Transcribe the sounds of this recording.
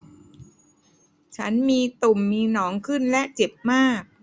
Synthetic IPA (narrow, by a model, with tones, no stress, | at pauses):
t͡ɕʰa˦˥nmiː˧t̪u˨˩mːiː˧nɔː˩˦˥ŋkʰɯ˥˩nlɛ˦˥ʔt͡ɕe˨˩p̚maː˥˩k̚